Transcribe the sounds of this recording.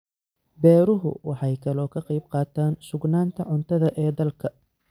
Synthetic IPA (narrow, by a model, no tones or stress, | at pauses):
bɛːɾʊɦʊ̰wɑħɑjkʰɐlɔːkʰɐqɑjb̚qɑːt̪ʰaːnsʊɡnaːnt̪ʰɐʕʊnt̪ʰɐðɐʔɛːd̪ɐlkʰɐ